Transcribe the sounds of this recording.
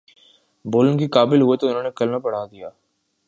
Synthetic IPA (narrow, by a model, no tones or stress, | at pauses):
boːlənkikaːbɪlɦʊet̪oʊnɦõːnekɐlnapɐɽ̤aːd̪ijaː